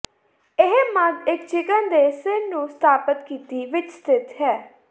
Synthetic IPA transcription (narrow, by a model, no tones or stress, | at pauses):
ɪɦmə̃zɪkt͡ʃɪkənd̪eːsɪnnũːst̪ʰaːpət̪kiːt̪iːʋɪt͡ʃst̪ʰɪt̪ɦɛː